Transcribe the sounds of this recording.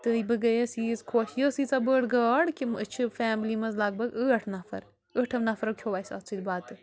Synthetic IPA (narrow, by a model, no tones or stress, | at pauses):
t̪ɨibɨɡɐjesizkʰoːʃjəːsiːt͡sabəɽɡɐːɽkimɨt͡ʃʰɨfaːmlimɐzlaːɡ̚bɐɡəːʈʰnɐfʰɐ̰ɾ | əʈʰɐʋnɐfɐɾɐkʲʰoːʋaːsa̰ːt͡sʰid̪baːt̪ɨ